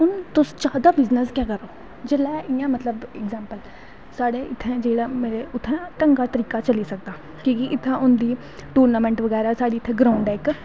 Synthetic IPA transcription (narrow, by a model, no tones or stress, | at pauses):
ʊnt̪ʊsd͡ʒaːd̪aːbɪznəskɛ̃ːkəɾoː | d͡ʒəlɛːʔɪjãːmət̪ləbɪkzɛ̃ːmpəl | saːɽeːɪt̪ʰːɛ̃ːd͡ʒeːɽaːmeːɾeːʊt̪ʰːɛ̃ːʈəŋɡaːt̪əɾiːkaːt͡ʃəliːsək̚d̪aː | kjõːkiʔɪt̪ʰːɛ̃ːʔʊnd̪iː | ʈuːɾnaːmɛ̃ːɳʈʋəɡɛːɾaːsaːɖiːɪt̪ʰːɛ̃ːɡɾãːɳɖɛːk